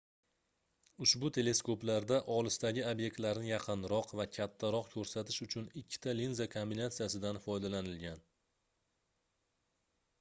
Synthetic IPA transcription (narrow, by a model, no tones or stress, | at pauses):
ʊʃbʊt̪ʰe̞le̞skoplaɾd̪aʔɒlɪsd̪aɡʲɪobje̞k̚t̪laɾnɪjɑqʰɨnɾɒqvakʲʰat̪ʰːaɾɒqkʲʰɵɾsat̪ʰɪ̥ʃʊt͡ʃʰʊnɪkʲʰːɪ̥t̪ʰalinzakʰombinat̪sijasɪd̪anfɒjd̪alanɪlɡʲan